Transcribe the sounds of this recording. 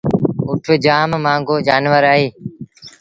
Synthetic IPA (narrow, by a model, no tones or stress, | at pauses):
ʊʈʰʊd͡ʒaːmmãːŋɡoːd͡ʒaːnʋəɾaːɦiː